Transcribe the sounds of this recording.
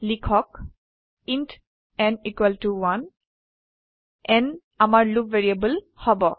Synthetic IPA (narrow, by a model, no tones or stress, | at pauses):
likʰɔk | int | ɛnikwaltuwan | ɛn | amaɹlubvɛɹiabul | hɔbɔ